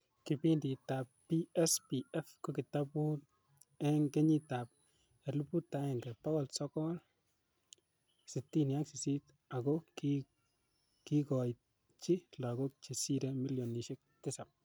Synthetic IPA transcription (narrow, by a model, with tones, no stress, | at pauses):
ki˨pindi˨ta˨pː | iɛ˦spi˨ɛ˦fko˦ki˨tapu˦t | ɛ˦ŋɡe˦ɲi˦ta˨p̚ | ɛ˨lu˦pu˦tːa˦ɛ˨ŋɡɛ˨pa˦ɣɔ˨lsɔ˦kɔ˦l | sɪ˨tːi˦nja˦ksi˨si˦t | a˨ɡɔki | ki˦kɔ˨jt̚ | t͡ʃi˦la˨ɡo˦k̚t͡ʃi˨si˦ɾɛmi˦ljɔ˨ni˨ʃe˦k̚tɪ˦sa˨p̚